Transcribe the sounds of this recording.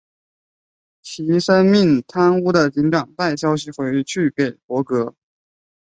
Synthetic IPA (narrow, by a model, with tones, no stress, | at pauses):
t͡ɕʰi˧˥ʂə˥nmi˥˩ŋt̪ʰa˥nu˥d̪ə˨t͡ɕi˧˥nʈ͡ʂɑ˨˩ŋt̪a˥˩ɪɕjɑ˥ʊɕi˨xwe˧˥ɪ˥˧t͡ɕʰy˥˩pe˨˩ɪpwɔ˧˥kɤ˧˥